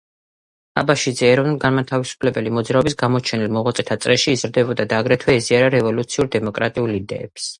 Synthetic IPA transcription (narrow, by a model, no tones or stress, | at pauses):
a̰baʃid̪zɛːɾɔvnulˠɡanmat̪ʰavisu̥pʰlɛbɛlimɔd̪zɾaɔbisɡamɔt͡ʃʰɛnilˠmɔʁat̪sʼɛt̪ʰat̪sʼɾɛʃiːzɾd̪ɛbɔd̪ad̪aːɡɾɛt̪ʰwɛɛziaɾaɾɛvɔlut̪sʰiuɾd̪ɛmɔkʼɾat̪ʼiulid̪ɛ̰ɛ̰ps